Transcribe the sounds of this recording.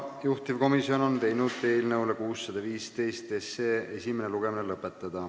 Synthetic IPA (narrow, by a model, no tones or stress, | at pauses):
juht̪ivko̞misio̞no̞nt̪e̞jnud̪t̪ːe̞ːlnɤwlekuːsːɑd̪̥ɑviːst̪e̞jst̪esːeːe̞sʲimeneluɡ̥e̞minelɤpːˑe̞t̪ːˑɑd̪̥ɑ